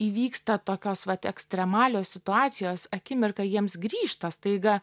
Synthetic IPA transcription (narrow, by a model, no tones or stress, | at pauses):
iːʋʲiːkst̪ɐt̪oːkʲoːsʋɐt̪ɛksʲt̪ʲɾʲɛmɑːlʲoːsʲsʲɪt̪ʊɑːt̪sʲɪjoːsɐkʲɪmʲɪrkɐjiɛmsɡɾʲiːʃt̪ɐst̪ɐɪɡɐ